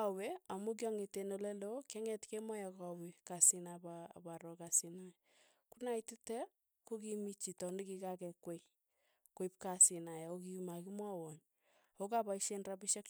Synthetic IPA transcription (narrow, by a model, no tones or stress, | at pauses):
aweamuk̬jɔŋetenolɛlokɛŋɛtkemɔjakawekasinaba̰baɾɔkasina | kunaititɛ | kokimit͡ʃitɔndikikakɛkwe | koip̚kasinajaokiumakimwawɔɲ | okapaiʃenrabiʃak